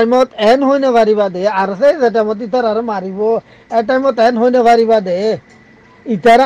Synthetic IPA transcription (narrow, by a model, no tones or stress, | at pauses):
mɔt̪ɛnɦojneʋʱaɾibad̪eaɾsezɛʈ̬ajmɔt̪it̪aɾaɾɔmaɾibɔ | ɛʈajmɔt̪ɛnɦojneʋaɾibad̪e | it̪aɾa